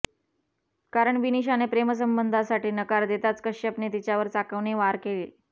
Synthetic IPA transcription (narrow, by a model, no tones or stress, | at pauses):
kaɾəɳʋiniɕ̬anepɾeməs̬əmbənd̪ʱasaʈiːnəkaɾd̪et̪at͡skəɕəpnit̪it͡ɕjaʋəɾt͡sakəʋneʋaɾkele